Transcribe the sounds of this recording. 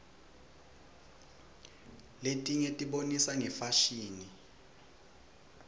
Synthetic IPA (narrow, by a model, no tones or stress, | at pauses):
letʼiɲɛtʼiɓonisaŋɛfaʃiːni